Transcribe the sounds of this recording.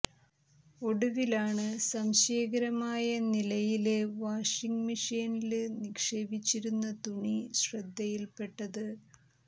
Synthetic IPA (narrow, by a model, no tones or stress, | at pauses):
o̞ɽuʋilaːɳɨsɐmɕeːɣɐɾɐmaːjɐnilɐjile̞ʋaːʂiŋɡmiʂeːnilɨnikʂeːbit͡ɕːiɾunːɐt̪uɳiɕrɐd̪ʱːɐjilpe̞ʈːɐðɨ